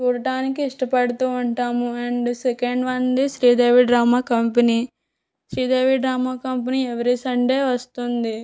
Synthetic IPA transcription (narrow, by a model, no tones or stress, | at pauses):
t͡ʃuːɾɐʈaːnikiiʂʈɐpɐɽut̪uːuɳʈaːmuɐɳɖsekeɳɖʋɐnd̪isɾiːd̪eːʋiɖɾaːmaːkɐmpɐniː | ʃɾiːd̪eːʋiɖɾaːmaːkɐmp̬ɐniːɛʋɐɾisɐɳʈeːʋɐst̪und̪i